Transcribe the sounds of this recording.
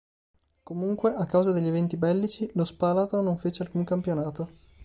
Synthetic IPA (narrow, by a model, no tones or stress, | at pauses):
komuŋkweʔakːawzad̪eʎːevɛnt̪ibɛlːit͡ʃilospaːlat̪onoɱfeːt͡ʃealkuŋkampjonaːt̪o